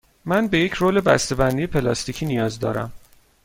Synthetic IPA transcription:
mænbe̞je̞cʰɾoːle̞bæst̪e̞bænd̪ije̞pʰe̞lɒːst̪iːcʰiːnijɒːzd̪ɒ̰ːɾæ̰m

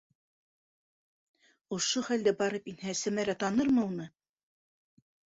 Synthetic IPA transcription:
ŏʃoχæld̪æbɑɾɤpinhæsæmæɾæt̪ɑnɤɾmɤ̆unɤ

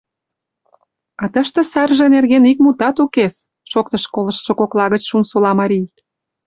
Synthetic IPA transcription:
ɑt̪əʃt̪ə̆sɑrʒĕnerɣenik̚mut̪ɑt̪ukes | ʃok̚t̪əʃkolə̆ʃʃŏkoklɑɣət͡ɕʃunsolɑmɑɾʲij

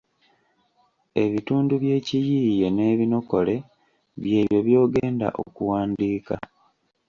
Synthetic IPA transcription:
e̞βituːnduβje̞ːcijije̞ne̞ːβino̞ko̞le̞ | βje̞ːβjo̞βjo̞ːɡeːnda̰ʔo̰kuwaːndiːka̰

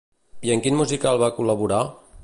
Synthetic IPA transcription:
jiəŋkinmuzikalˠβakuləβuɾa

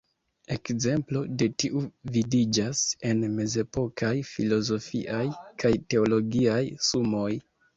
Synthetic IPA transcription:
e̞kze̞mplo̞de̞tiʔuvidid͡ʒase̞nme̞ze̞po̞kʰajfilo̞zo̞fḭʔajkʰajte̞o̞lo̞ɡiajsumo̞j

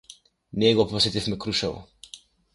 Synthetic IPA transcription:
nɛɡɔposet̪ifmɛkɾuʃavɔ̰

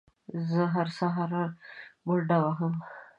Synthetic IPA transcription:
zəɦaɾsaɦaɾaɾmʊɖawaɦəm

